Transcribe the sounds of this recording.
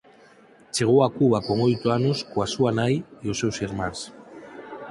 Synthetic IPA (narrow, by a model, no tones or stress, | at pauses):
t͡ʃeɣ̞oakuβakoŋojt̪oanoskoasuanajjosewsiɾmans